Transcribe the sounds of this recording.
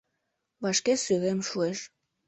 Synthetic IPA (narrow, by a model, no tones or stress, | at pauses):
βɑʃkesyɣemʃueʃ